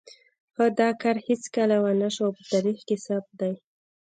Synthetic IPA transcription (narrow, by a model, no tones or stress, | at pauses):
xod̪ɑkɑɾhet͡skalawanaʃoawpəd̪aɾixkesab̚t̪̚d̪aj